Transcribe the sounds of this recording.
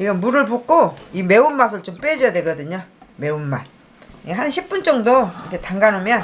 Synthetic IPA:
iɡʌnmuɾɯɭpok͈oime̞umːas̬ʰɯɭt͡ɕomp͈ed͡ʑʌjadwe̞ɡʌdɯɲome̞umːan | iɦanɕʰip͈̚unt͡ɕ͈ʌŋdoikʰetaŋɡanomjʌn

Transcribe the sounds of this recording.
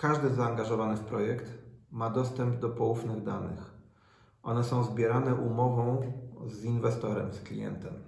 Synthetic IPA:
kaʐd̪ɘzaːŋɡaʐɔvanɘfpɾɔjɛkt̪mad̪ɔst̪ɛmbd̪ɔpɔwufnɘɣd̪a̰nɘ̰x | ʔɔnɛsɔ̃w̃zbʲjɛɾanɛʔumɔvɔ̃w̃zinvɛst̪ɔɾɛmsklʲḭjɛ̰nt̪ɛm

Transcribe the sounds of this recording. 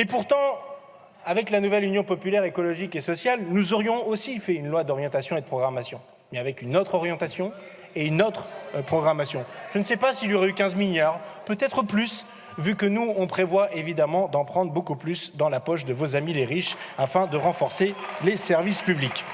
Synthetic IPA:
epuʁt̪ɑ̃ | avɛklanuvɛlynjɔ̃pɔpylɛʁekɔlɔʒikesɔsjalnuzɔʁjɔ̃osifɛynlwad̪ɔʁjɑ̃t̪asjɔ̃ed̪əpχɔɡʁamasjɔ̃ | mɛavɛkynot̪χɔʁjɑ̃t̪asjɔ̃ | eynot̪χpχɔɡʁamasjɔ̃ʒ̥ənsɛpasiljɔʁɛykʲɛ̃zmiljaʁpøt̪ɛt̪χəplys | vykənuɔ̃pχevwaʔevid̪amɑ̃d̪ɑ̃pχɑ̃d̪ʁbokuplysd̪ɑ̃lapɔʃ̬d̪əvozamileʁiʃafɛ̃d̪əʁɑ̃fɔʁselesɛʁvispyblik

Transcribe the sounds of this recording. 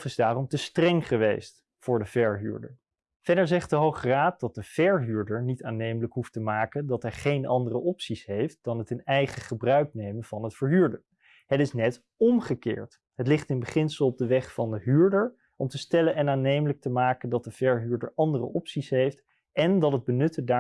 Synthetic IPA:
fɪzdaːrɔmtəstrɛŋχəʋḛjst | fʊːɹdəv̥ɛɹɦy̰ːɹdə̰ɹ | v̥ɛdəɹzɛχt̚dəɦowχəraːt̚d̥ɑt̚dəv̥ɛɹɦyːɹdəɹnitaːnejmələkɦuftəmaːkəndɑtɦɛjχejnʔɑndərəʔɔpsisɦejft̚d̥ɑnɦətɪnɛjχəχəbrœɥknejmənv̥ɑnətfəɹɦyːɹdə | ɦətɪsnɛt | ɔmχəkɪ̰ːɹt | ɦətlɪχtɪnbəχɪnsəlˠɔb̚dəʋɛχfɑndəɦyːɹdəɹ | ɔmtəstɛlənɛnaːnejmələk̚təmaːkəndɑt̚dəv̥ɛɹɦyːɹdə̰ɹʔɑndərə̰ʔɔpsisɦejft | ʔɛndɑtɦəd̚bənɵtəda

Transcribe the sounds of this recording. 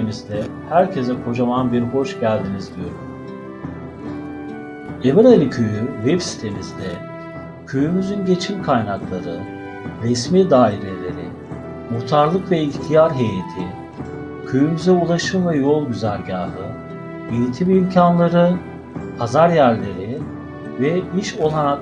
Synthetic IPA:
emizd̪ɛhæɾcʰe̞zɛkʰo̞d͡ʒamanbiɾho̞ʃɟælʲd̪inizd̪ijo̞ɾum | e̞miɾalʲicʰøjyvɛbsi̥t̪ʰe̞mizd̪ɛ | cʰyjymyzynɟe̞t͡ʃʰimkʰajnaklˠaɾɯ | ɾɛsmiːd̪aːiɾe̞lʲe̞ɾḭ | mut̪ʰaɾlˠɯkvɛiçt̪ʰijaɾɦe̞jet̪ʰi | cʰøjymyzɛulˠaʃɯnvɛjo̞lˠɟyzæɾɟaːɦɯ | iɾit̪ʰimimcʰanlˠaɾɯ | pʰazaɾjæɾlʲe̞ɾi | vɛiʃo̞lˠanak

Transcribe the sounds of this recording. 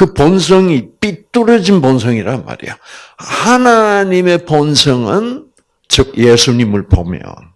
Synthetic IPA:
kɯpʌns̬ʰʌŋip͈it͈uɾʌd͡ʑinpʌns̬ʰʌŋiɾaɦɯnma̰ɾḭjohanaɲime̞pʌnsʰʌŋɯn | t͡ɕʌk̚jesʰuɲimɯɭpo̰mjʌ̰n

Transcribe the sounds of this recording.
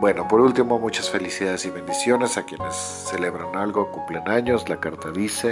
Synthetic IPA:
bwe̞no̞po̞ɾult̪imo̞mut͡ʃasfe̞lisiðað̞esiβe̞nd̪isjo̞ne̞sakje̞ne̞sːele̞βɾanalɣo̞kumplenaɲo̞zlakaɾt̪aðise̞

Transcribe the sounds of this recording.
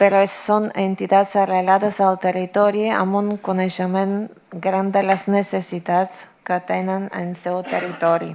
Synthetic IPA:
peɾoessonent̪it̪at̪sarelaðazalt̪erit̪oɾiea̰moŋkoneʃemẽn | ɡɾand̪elaznesesit̪at̪t͡s | kat̪enenensewt̪erit̪oɾi

